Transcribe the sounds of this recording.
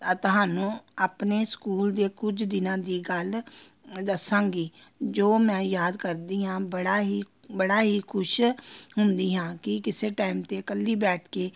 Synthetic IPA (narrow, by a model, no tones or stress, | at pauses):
ət̪ɦaːnũːaːpneːskuːld̪eːkʊd͡ʒd̪ɪnãːd̪iːɡəl | d̪əsãːŋɡiːd͡ʒoːmɛ̃ːjaːd̪kəɾd̪iːɦãːbəɽaːɦiː | bəɽaːɦiːkʰʊʃɦʊnd̪iːɦãːkɪkɪseːʈaːimt̪eːkəlːiːbɛːʈʰkeː